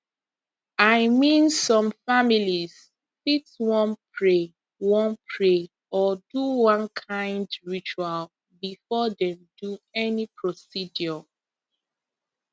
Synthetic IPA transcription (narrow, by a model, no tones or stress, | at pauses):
aɪmĩnsɔ̃mfamiliz̥ | fitwɔ̃npʰɹe | wɔ̃npʰɹe | ɔduwɔ̃nkʰãɪ̃ndɹit͡ʃual | bifɔdɛ̃mduɛnipʰɹɔsidjɔ